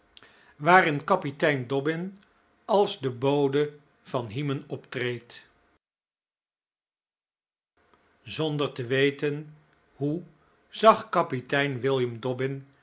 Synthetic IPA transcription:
ʋaːrɪnkɑpitɛjndɔbɪn | ɑlˠzdəbowdə | v̥ɑnɦimənɔptrejt | zɔndərtəʋejtən | ɦu | z̥ɑχkɑpitɛjnʋɪlˠjəmdɔbɪn

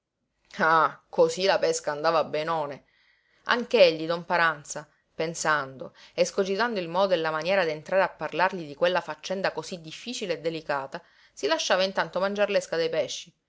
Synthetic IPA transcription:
akʰosilapɛskaːnd̪aːvaːbːenɔːne | a̰ŋkeeʎːid̪ɔmpaɾant̪sa | pensand̪oeskod͡ʒit̪and̪oilmɔːd̪oelːamanjɛːɾad̪ient̪ɾaːɾeapːarlarʎid̪ikwelːafat͡ʃːɛnd̪akosid̪ːifːiːt͡ʃileːd̪ːelikaːt̪a | silaʃːaːvaint̪ant̪omand͡ʒaɾleskad̪ejpɛʃːi

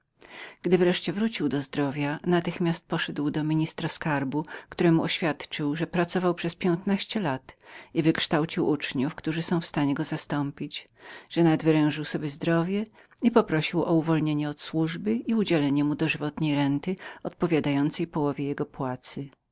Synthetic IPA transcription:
ɡ̥d̪ɘvɾɛʂt͡ɕɛvɾut͡ɕiwd̪ɔzd̪ɾɔvʲjanat̪ɘxmʲjast̪̚pɔʂɛd̪wd̪ɔmʲiɲist̪ɾaskaɾbukt̪uɾɛmuɔɕfʲjat̪t͡ʂɘwʐɛpɾat̪sɔvawpʂɛspʲjɛnt̪naɕt͡ɕɛlat̪ivɘkʂt̪awt͡ɕiwut͡ʂɲufkt̪uʐɘsɔ̃w̃fst̪aɲɛɡɔzast̪ɔmpʲid͡ʑ | ʐ̥ɛnad̪vɘɾɛ̃w̃ʐɘwsɔbʲjɛzd̪ɾɔvʲjɛ | ipɔpɾɔɕiwʔɔuvɔlɲeɲɛɔt̪swuʐbɘiud͡ʑɛlɛɲɛmud̪ɔʐɘvɔt̪ɲejɾɛnt̪ɘɔt̪̚pɔvʲjad̪ajɔnt̪sɛjpɔwɔvʲjɛjɛɡɔpwat̪sɘ

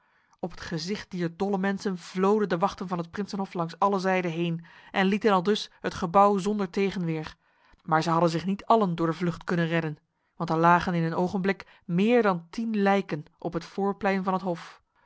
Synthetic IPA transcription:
ɔpɦətχəzɪχt̚d̥iːɹdɔləmɛnsənv̥lowdəndəʋɑχtənvɑnɦət̚prɪnsənɦɔflɑŋsɑləzɛjdəɦejnʔɛnlitənɑlˠdɵshətχəbʌwzɔndəɹtejχənʋɪːɹr | maːɹzəɦɑdənzɪχnitɑləndʊːɹdəvlɵχtkɵnənrɛdən | ʋɑntɛɹlaːχənɪnɦənowχənblɪk | mɪːɹdɑntinlɛjkənʔɔpɦətfʊːɹplɛjnvɑnɦətɦɔf

